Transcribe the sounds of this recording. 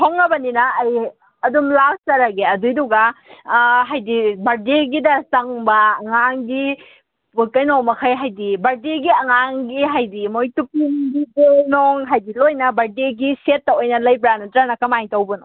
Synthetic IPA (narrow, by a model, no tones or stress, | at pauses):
tʰoŋnɐbɐninɐːj | ɐdumlawstɐɾaɡeɐdujduɡa | ɦajdibɐɾdeɡidɐsɐŋbɐːŋaŋɡi | pukɐjnɔmɐkʰajɦajdibɐɾdeɡiɐŋaŋɡiɦajdimojtupinɡibenɔŋɦajdilojnɐbɐɾdeɡiset̚ːɐojnɐlɐjbɾanutɾanɐkɐmaŋtɐwbɐnɔ